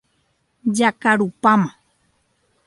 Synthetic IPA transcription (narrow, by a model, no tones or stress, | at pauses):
d͡ʒakaɾupamã